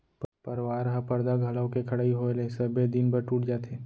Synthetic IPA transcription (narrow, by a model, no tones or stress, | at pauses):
pəɾwaːɾɦapɐɾd̪aɡʱɐlaõkekʰɐɽaːiɦoelẽsɐbed̪ɪnbəɾʈuːʈd͡ʒaːt̪eː